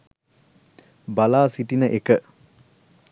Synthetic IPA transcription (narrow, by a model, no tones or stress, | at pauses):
balaːsiʈinəʔekə